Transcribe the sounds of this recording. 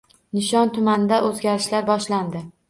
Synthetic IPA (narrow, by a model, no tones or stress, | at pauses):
nɪʃɒnt̪ʰʊmanɪd̪aʔɵzɡʲaɾɪʃlaɾbɒʃland̪ɪ